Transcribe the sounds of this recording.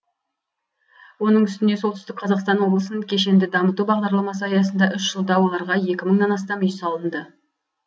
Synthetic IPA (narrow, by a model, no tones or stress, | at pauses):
wo̞nəɴʏst̪ɪne̞sot̪ʏ̥st̪ɪkqʰɑzɑqst̪ɑnwo̞blˠəsənəkʲʰe̞ʃe̞nd̪ɪd̪ɑmət̪ubɑʁd̪ɑɾlˠɑmɑs̬əɑjɑsənd̪ɑʔʏʃʒ̥əlˠd̪ɑwo̞lˠɑɾʁɑje̞kʲɪməɴnɑnɑst̪ɑmʏjsɑlˠənd̪ə